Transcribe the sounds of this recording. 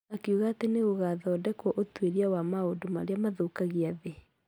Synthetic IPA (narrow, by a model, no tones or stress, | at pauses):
nakiuɣaːteneɣoɣaðɔdɛkwɔʔotweɾiawamaodomaɾeamaðokaɣiaðe